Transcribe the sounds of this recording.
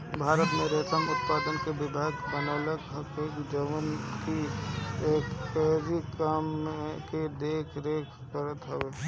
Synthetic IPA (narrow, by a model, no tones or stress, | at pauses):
bʱaːɾət̪mẽɾeːt̪əmʊt̪paːd̪ənkeʋɪbʱaːɡbənəːləkɦəkekd͡ʒəʋənkieːkːɛɾikamked̪eːkʰɾeːkʰːəɾət̪ɦɛʋeː